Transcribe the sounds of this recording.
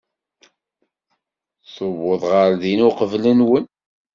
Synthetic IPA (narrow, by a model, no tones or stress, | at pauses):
sˤəvʊðˤʁəɾðinʊqəvlənwən